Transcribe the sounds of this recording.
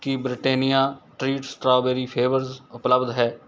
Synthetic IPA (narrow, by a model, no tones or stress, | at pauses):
kibɾɪʈeːnijaːʈɾiːʈsʈɾaːbeːɾiːpʰeːʋəɾzʊpləbd̪ɦɛː